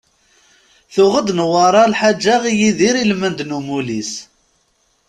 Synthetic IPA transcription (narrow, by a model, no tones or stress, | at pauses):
θʊʁəd̪nwɑɾˤɑlħad͡ʒːaʁijiðiɾilmənd̪numulis